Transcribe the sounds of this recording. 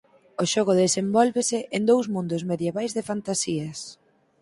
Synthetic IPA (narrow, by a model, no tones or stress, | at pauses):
ʊʃɔɣ̞ʊðesembɔlβɪsɪʔend̪owzmũnd̪ʊzmeðjeβajzðɪfant̪asiɐs